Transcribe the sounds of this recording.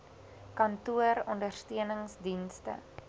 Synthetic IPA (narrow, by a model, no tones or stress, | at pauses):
kɐntuəɾɔndərstiənəŋsdinstə̰